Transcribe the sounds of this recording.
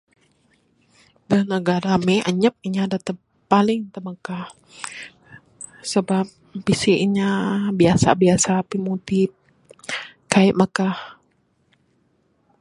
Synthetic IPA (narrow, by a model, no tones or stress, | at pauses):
dənəɡaɾamɛʔəɲəp̚iɲadat̪ə | palɪŋt̪əməkah | səbap̚bisiiɲabiasa̰biasapimut̪ɪp̚ | kaiʔməkah